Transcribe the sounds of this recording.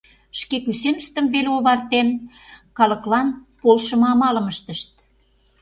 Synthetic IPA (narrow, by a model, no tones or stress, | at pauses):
ʃkekysenəʃt̪ə̆mveleoβɑrt̪en | kɑlə̆klɑnpolʃə̆mɑmɑlə̆məʃt̪əʃt̪̚